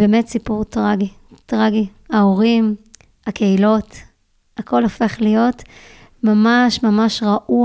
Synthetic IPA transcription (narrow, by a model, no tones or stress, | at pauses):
bemetsipuʁtʁaɡitʁaɡi | haoʁim | hakʰe̞ilo̞t | akʰo̞lofe̞χlijo̞t | mamaʃmamaʃʁaʔu